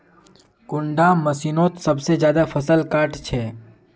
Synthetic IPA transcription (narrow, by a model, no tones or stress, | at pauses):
kʊɳɖamɐsiːnoːt̪sɐbsezjaːd̪afʰɐsəlkaːɾʈt͡ʃʰɛː